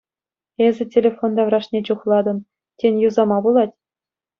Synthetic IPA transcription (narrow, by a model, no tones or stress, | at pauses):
ezʲɘ̆tʲelʲefond̪ɑvrɑʂnʲet͡ɕuχlˠɑd̪ɤ̆n | tʲenʲjuzɑmɑbulˠɑtʲ